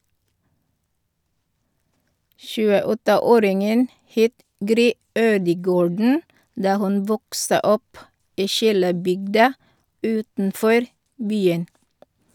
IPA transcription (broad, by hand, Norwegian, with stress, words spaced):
ʃʉːəˈɔtəˌoːɾɪŋən ˈheːt ˈɡɾyː ˈøːdəˌɡoːɖɳ̩ ˈdɑː ˈhʉn ˈʋɔksə ˈɔp ˈiː ˈʃiːləˌbʏɡdɑ ˈʉːtn̩ˌfɔɾ ˈbyːən